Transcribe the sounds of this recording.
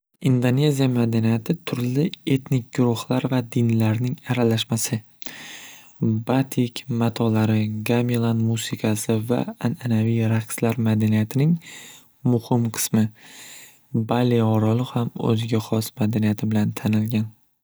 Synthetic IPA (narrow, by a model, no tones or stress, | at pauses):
ind̪onʲe̞zijamad̪anijat̪ʰɪt̪ʰʊɾlɪe̞t̪nɪk̚ʲɡʊɾʊhlˠaɾvad̪ɪnlaɾnɪŋaɾalaʃmasɪ | bat̪ʰikʲmat̪ʰɒlaɾɪɡamilˠanmusɪkʰasɪva̰ananavijɾaqslaɾmad̪anijat̪ʰɪnɪŋ | mʊhɪmqʰɨ̥smɪ | baliɒɾɒlˠʊhamɵ̰zɪɡʲaχɒsmad̪anijat̪ʰɪbɪlant̪ʰanɪlɡʲan